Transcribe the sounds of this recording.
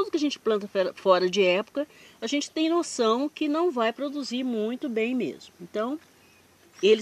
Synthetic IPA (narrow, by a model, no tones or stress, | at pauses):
t̪od̪ʊkɪɐʒẽnt͡ʃɪ̥plɐ̃nt̪ɐfɛɾɐfɔɾɐd͡ʒɪɛpo̥kɐaʒẽnt͡ʃɪ̥t̪ẽj̃nosɐ̃w̃kɪnɐ̃w̃vajpɾod̪uziɾmũj̃t̪ʊbẽj̃mḛzmʊẽnt̪ɐ̃w̃ | elɪ